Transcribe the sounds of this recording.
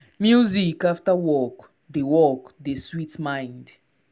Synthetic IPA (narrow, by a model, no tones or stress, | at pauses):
mjuzikaftawɔk | dewɔkd̪eswitmãj̃nd